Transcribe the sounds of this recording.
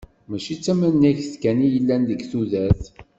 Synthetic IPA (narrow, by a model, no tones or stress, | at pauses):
mæʃit͡sːæmænːæçθkænijəlːænðəɡθuðæθ